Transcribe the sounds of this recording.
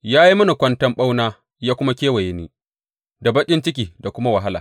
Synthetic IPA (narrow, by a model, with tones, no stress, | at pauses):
jaː˦ji˦mɐ˦na˨kʷɐ˦ntɐ˦mɓa˦wnaː˦ | jaː˦kʷʊ˦ma˦kʲeː˦wa˨je˦niː˦ | da˨bɐ˦kʲʼɪ˦nt͡ʃɪ˦kʲiː˨da˨kʷʊ˦ma˦wɐ˨ɦa˦la̰ː˨